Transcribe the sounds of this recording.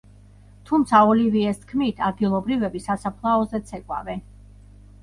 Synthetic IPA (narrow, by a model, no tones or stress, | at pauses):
t̪ʰumt̪sʰaɔliviɛst̪ʰkʰmit̪ʰad̪̚ɡilˠɔbɾivɛbisasapʰlˠaɔzɛt̪sʰɛkʼwa̰vɛn